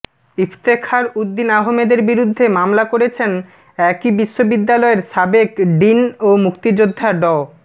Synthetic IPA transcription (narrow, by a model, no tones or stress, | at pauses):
ift̪ekʰaɾud̪ːinaɦomed̪eɾbiɾud̪ʱːemamlakoɾet͡ɕʰen | ɛkibiʃːobid̪ːalɔeɾʃabekɖinomukt̪id͡ʑod̪ʱːaɖɔ